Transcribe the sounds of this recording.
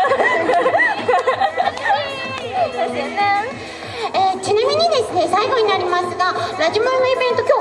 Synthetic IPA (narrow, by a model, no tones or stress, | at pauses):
eːt͡ɕinamʲiɲ̟id̪e̞sɨne̞saiɡo̞ɲ̟inaɾʲimasɨɡaɾaʑimanoibẽ̞nt̪o̞kʲo̞ː